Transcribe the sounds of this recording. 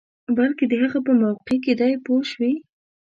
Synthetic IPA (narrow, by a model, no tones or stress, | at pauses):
balked̪əɦaɣapəmawqeked̪ajpoʃwi